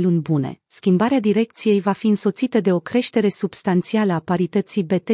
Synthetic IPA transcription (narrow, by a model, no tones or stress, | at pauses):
lunʲbune̞̰skʲimbaɾead̪iɾe̞k̚t̪sije̞jvafiɨnso̞t̪sit̪əd̪e̞o̞kɾe̞ʃt̪e̞ɾe̞sub̥st̪ant̪sialəapaɾit̪ət̪sibe̞t̪e